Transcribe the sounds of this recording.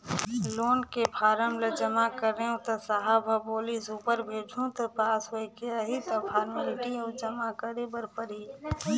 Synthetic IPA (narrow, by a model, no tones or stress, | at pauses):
loːnkepʰaːɾəmləd͡ʒəmakəɾẽʊ̃t̪ɐsaɦabʱaboːlisuːpəɾbʱeːd͡ʒʱũt̪opaːsoekɪjaɦit̪ɐpʰaːɾmlɪʈioːd͡ʒəmakəɾebəɾpəɾɦi